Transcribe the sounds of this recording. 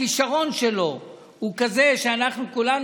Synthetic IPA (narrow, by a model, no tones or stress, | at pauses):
iʃaʁo̞nʃelo̞ | hukaze̞ʃeanaχnukulan